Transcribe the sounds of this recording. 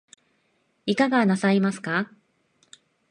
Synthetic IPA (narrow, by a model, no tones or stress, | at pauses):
ikaɡanasaimasɨ̥ka